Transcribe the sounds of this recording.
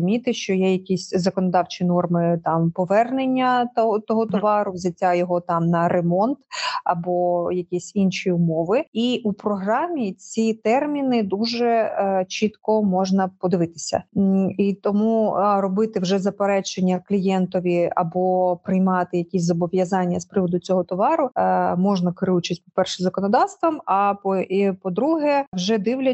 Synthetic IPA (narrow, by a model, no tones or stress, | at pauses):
mʲit̪ɪʃt͡ʃɔjɛjɐkʲisʲzɐkɔnɔd̪ɑwt͡ʃinɔrmɪt̪ɑmpɔʋɛrnenʲːɐt̪t̪ɔɦɔt̪ɔʋɑɾʊʋzʲɐtʲːajɔɦɔt̪ɑmnɐɾemɔnt̪ɐbɔjɐkʲisʲinʃiʊmɔʋɪiʔupɾɔɦɾɑmʲit͡sʲit̪ɛrmʲinɪd̪uʒɛt͡ʃit̪kɔmɔʒnɐpɔd̪ɪʋɪt̪ɪ̥sʲɐ̰it̪ɔmurɔbɪt̪ɪwʒɛzɐpeɾɛt͡ʃenʲːɐklʲijɛnt̪ɔʋʲiɐ̰bɔpɾɪjmɑt̪ɪjɐkʲisʲzɔbɔʋʲjɐzɑnʲːɐspɾɪʋɔd̪ʊt͡sʲɔɦɔt̪ɔʋɑɾʊmɔʒnɐkɾɪut͡ʃisʲpɔpɛrʃɪmzɐkɔnɔd̪ɑwst̪ʋɐmɐpɔipɔd̪ɾuɦɛwʒɛd̪ɪwlʲɐ